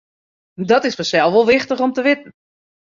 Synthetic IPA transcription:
dɔtɪsʋəsɛlˠʋolˠʋɪxtəχomtəʋɪtn̩

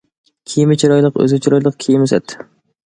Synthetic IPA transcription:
kʲʰijmɪt͡ʃʰiɾɔjlˠəqø̰zɪt͡ʃʰiɾɔjlˠəq̚kʲʰijmɪsɛ̰t̪ʰ

